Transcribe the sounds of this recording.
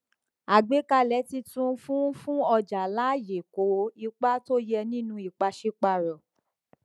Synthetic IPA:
a˨ɡ͡be˨˦ka˧lɛ˨˦ti˧tũ˦fũ˦fũ˦ɔ˧d͡ʒa˨la˦˨je˨ko˨˦i˧k͡pa˦to˦jɛ˧nĩ˦nũ˧i˨k͡pa˧ʃi˦k͡pa˧ɾɔ˨

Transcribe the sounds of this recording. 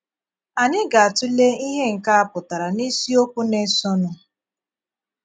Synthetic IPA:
a˨ɲɪ˦ɡa˨a˨tʊ˦le˦i˦ɦe˦ŋ̩˨ka˦a˦˨pʊ˨ta˨ɾa˨ni˦si˦o˦kʷu˦ne˦sɔ˦nʊ˦

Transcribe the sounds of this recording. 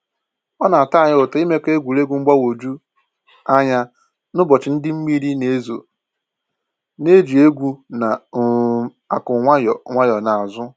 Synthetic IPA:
ɔ˦na˨a˨ta˦a˨ɲɪ˦ʊ˨ta˨˦i˦me˦ke˦ɡʷu˨ɾe˦ɡʷu˨ŋ͡m̩˦ɡ͡ba˦wo˨d͡ʒu˦ | a˦ɲa˦ | nʊ˦bɔ˨t͡ʃɪ˨n̩˦dɪ˦m̩˦mi˦ɾi˦ne˨˦zo̰˨ | ne˦d͡ʒi˨e˦ɡʷu˦na˨ | a˨kʊ˨ŋʷa˦jɔ˨˦ŋʷa˦jɔ˨na˨a˨zʊ˦

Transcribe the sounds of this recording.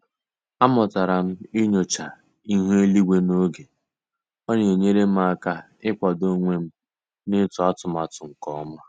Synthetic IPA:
a˦mɔ˨ta˨ɾa˨m̩˦i˦ɲo˨t͡ʃa˨ | i˦ɦu˦e˦li˦ɡʷe˦no˦ɡe˨ | ɔ˦ɲe˨o˨ɲe˦ɾe˦m̩˦a˦˨ka˦ | ɪ˦kʷa˨do˦ŋʷe˦m̩˦ | nɪ˦tʊ˨a˦tʊ˨m˨a˨tʊ˨ŋ̩˨kɔ˦ma˦

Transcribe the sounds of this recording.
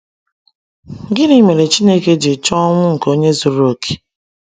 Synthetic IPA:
ɡɪ˦ni˦me˨ɾe˨t͡ʃi˦ne˦ke˦d͡ʒe˨t͡ʃɔ˦ŋʷʊ˦ŋ̩˨ko˦ɲe˦zu˨ɾo˨kʰe̥˨

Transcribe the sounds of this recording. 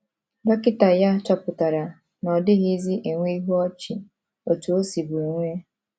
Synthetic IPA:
ba˦kɪ˦ta˨ja˦t͡ʃa˦pʊ˨ta˨ɾa˨ | nɔ˨dɪ˦ɣɪ˦zi˦ʔe˨ŋʷe˦i˦ɦu˦ɔ˦t͡ʃɪ˨ | o˨tu˨o˦si˨bu˨e˨ŋʷe˦

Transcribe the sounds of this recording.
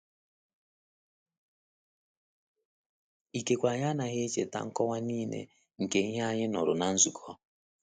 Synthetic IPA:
i˨ke˨kʷa˨ɲa˦na˨ɦe˦t͡ʃḛ˨ta̰˦ŋ̩˦kɔ˦wa˦niː˦nḛ˨ | ŋ̩˨ke˨ŋ̩˦ɦa˦ɲɪ˦nɔ˨ɾʊ˨na˦n̩˦zu˨kʰɔ˦

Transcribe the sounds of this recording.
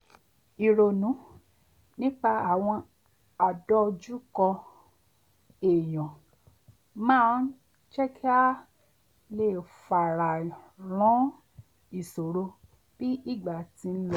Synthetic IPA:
i˨ɾo˨nũ˨˦ | nĩ˦k͡pa˧a˦˨w̃ɔ̃˧ | a˨dɔ˧d͡ʒu˦kɔ˧ | e˨j̃ɔ̃˨ | mãː˦ | t͡ʃɛ˦kʰɛ˦a˦ | le˦˨fa˨ɾa˨ɾ̃ɔ̃˨˦ | i˨so˨ɾo˧ | b̥i˦i˦˨ɡ͡ba˨ti˧n̩˦lɔ˦˨

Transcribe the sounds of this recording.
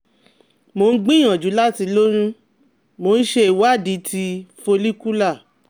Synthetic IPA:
mo˧n̩˦ɡ͡bĩ˦ã˨d͡ʒu˨˦la˦ti˧lo˦ɾ̃ũ˦ | mo˨˧n̩˦ʃe˧i˨wa˦˨di˨˧˦ti˧fo˧li˦ku˦la˦˨

